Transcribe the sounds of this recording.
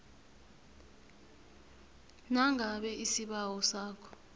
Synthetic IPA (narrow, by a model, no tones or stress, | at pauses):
naŋʱaɓɛʔisiɓawɔsaːkʰɔ̥